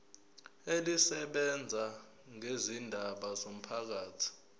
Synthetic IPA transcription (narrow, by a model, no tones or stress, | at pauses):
elisɛɓɛnd͡zʱa | ŋezindʱaɓazom̩pʰak̬aːtʰi̥